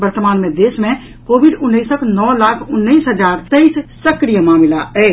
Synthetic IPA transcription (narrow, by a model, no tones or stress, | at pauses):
bəɾt̪əmaːnmẽd̪eːsmẽ | koːbɪɖʊnːiːsəkʰnɔːlaːkʰʊnːiiːsɦəd͡ʒaːɾt̪eissəkɾijəmaːmɪlaɛː